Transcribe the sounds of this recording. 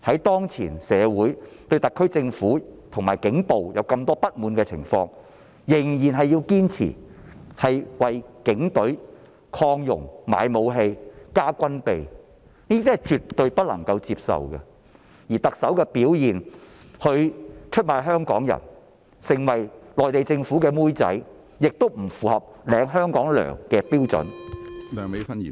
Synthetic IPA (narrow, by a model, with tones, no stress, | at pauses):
hɐ˨˥jt̪ɔː˥ŋt͡sʰḭː˨˩nsɛː˨˧wuː˨˥jt̪ɵ˧ɥt̪ɐ˨kʰːɵ˥t͡sɪ˧ŋfuː˨˥t̪ʰʊ˨˩ŋmaː˨˩jkɪ˨˥ŋpo˨wjɐ˨˧wkɐ˧mt̪ɔː˥pɐ˥t̚muː˨˥nkɛː˧t͡sʰɪ̰˨˩ŋfɔ̰ː˧ŋ | jɪ˨˩ŋjiː˨˩nɦɐ˨jiː˧wkiː˥nt͡sʰḭː˨˩hɐ˨jwɐ˨jkɪ˨˥ŋt̪ɵ˨˥ɥ | kʰɔː˧ŋjʊ̰˨˩ŋma̰ː˨˧jmo˨˧wɦe˧jkaː˥kʷɐ˥npe˨j | niː˥t̪iː˥hɐ˨t͡ʃyː˨t̪ːɵ˨˧ɥpɐ˥t̚lɐ̰˨˩ŋkɐ˧wt͡siː˧p̚sɐ̰˨wkɐ̰˧ | jiː˨˩t̪ɐ˨k̚sɐ˨˥wkɛː˧piː˨˥wjiː˨˩n | hɵ˨˧ɥt͡ʃʰɵ˥t̚maː˨˧jɦœː˥ŋkɔ̰ː˨˥ŋjɐ̰˨˩n | sɪ˨˩ŋwɐ˨˩jlɔː˨jt̪e˨jt͡sɪ˧ŋfu˨˥kɛː˧muː˥jt͡sɐ̰˨˥j | jɪ˨k̚t̪o˥wm̩˨˩fuː˨hɐ˨p̚lɛː˨˧ŋɦœː˥ŋkɔː˨˥ŋlœ̰ː˨˩ŋkɛː˧piː˥wt͡sɵ̰˨˥nt̪a˨me˨˥fɐ˥nḭ˨